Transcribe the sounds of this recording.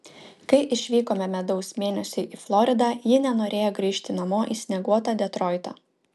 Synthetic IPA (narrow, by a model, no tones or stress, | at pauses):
kɐɪʔɪʃʲʋʲiːkoːmʲɛmʲɛd̪ɐʊsmʲeːnʲɛsʲʊɪʔiːflˠɔɾʲɪd̪ɑːjɪnʲɛnoːɾʲeːjoɡɾʲiːʃʲt̪ʲɪnɐmoːʔiːsʲnʲɛɡuɔt̪ɑːd̪ʲɛt̪ɾɔɪt̪ɐ̰ː